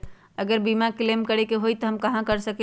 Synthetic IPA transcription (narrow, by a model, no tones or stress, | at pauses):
əɡəɾbimaklemkəɾɛkeɦojt̪ɔɦəmkəɦãkəɾsəke